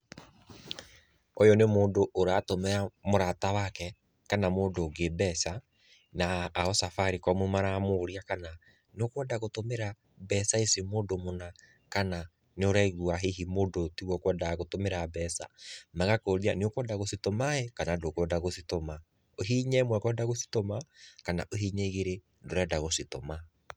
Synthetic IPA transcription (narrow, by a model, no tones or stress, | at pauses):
ojɔnemoːndoʔːɾatomɛamoɾatawakɛ | kanamoːdoːɡebɛsa | naːɔsafaɾikɔmumaɾamoɾiakana | neokwɛdaɣotomeɾa | bɛːsaesimoːdomona | kana | neoɾɛiɣuaɦeɦimoːdotiɣwɔkwɛdaɣotomeɾabɛːsa̰maɣakoɾianeokwɛdaɣositɔmaɛkanadokwɛdaɣositɔma | oɦiɲɛmwɛkwɛdaɣosi̥tɔmakana̰ʔoɦiːɲeɣeɾe | ndoɾɛdaɣositɔma